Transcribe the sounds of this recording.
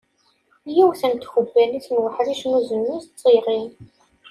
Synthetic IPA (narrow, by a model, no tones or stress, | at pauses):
jiwθænt̪xəbːælit͡sːnwħɾiʃnuzənːuzt͡sˤːirˤi